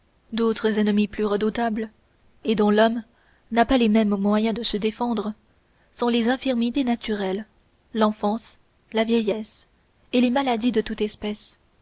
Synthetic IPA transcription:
d̪ot̪χəzɛnəmiplyʁəd̪ut̪abl | ed̪ɔ̃lɔm | napalemɛmːwajɛ̃d̪əsəd̪efɑ̃d̪ʁə | sɔ̃lezɛ̃fiʁmit̪enat̪yʁɛlː | ɑ̃fɑ̃s | lavjɛjɛs | elemalad̪id̪ət̪ut̪ɛspɛs

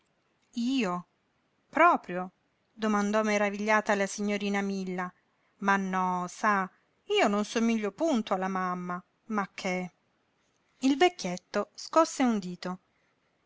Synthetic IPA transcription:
iːo | pɾɔːpɾjo | d̪omand̪ɔmːeɾaviʎːaːt̪alasiɲːoɾiːnamilːa | manːɔsa | iːononsomiʎːopunt̪oalːamamːa | makʰːe | ilvekːet̪ːoskɔsːeund̪iːt̪o

